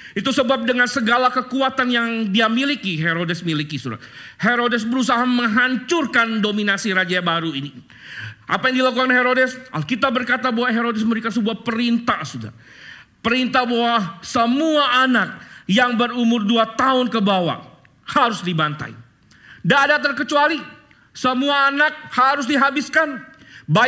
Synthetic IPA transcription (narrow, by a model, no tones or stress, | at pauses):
it̪usəbap̚dəŋansəɡalakəkuat̪anjaŋdiamilikiɦeɾodɛsmilikisuɾa̰heɾodɛs̬bəɾusaɦaməŋɦaɲt͡ʃʊrkandominasiɾad͡ʒabaɾuini | ʔapajaŋdilakukanheɾodɛsakit̪abərkat̪abawaɦeɾodɛs̬məɾikans̬əbuahpəɾint̪asuda̰ | pəɾint̪abawasəmuaʔanak̚jaŋbərumʊrduat̪aʊnkəbawa̰ | haɾʊsdibant̪a̰j | daːdat̪ərkət͡ʃuali | səmuaːnak̚haɾʊs̬diɦabɪskanba